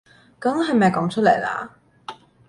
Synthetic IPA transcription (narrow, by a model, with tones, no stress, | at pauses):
kɐ˨˥mɦɐ˨jmɐ˨jkɔː˨˥ŋt͡ʃʰɵ˥le˨˩jla̰ː˧